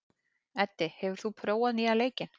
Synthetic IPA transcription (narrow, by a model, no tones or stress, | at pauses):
ɛt̪ːɪhɛvʏɾ̥θupʰɾoːwaðnialeːjcɪn